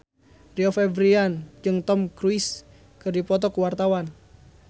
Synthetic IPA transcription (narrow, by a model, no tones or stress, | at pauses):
riɔfɛbɾiand͡ʒɨŋt̪ɔmkɾuis | kɨrdipɔt̪ɔkuwart̪awan